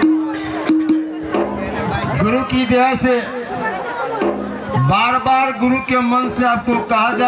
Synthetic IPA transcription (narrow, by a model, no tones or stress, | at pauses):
ɡʊɾukid̪eɦɛse | baːɾbaːɾɡʊɾukemənseaːb̚kokəɦad͡ʒa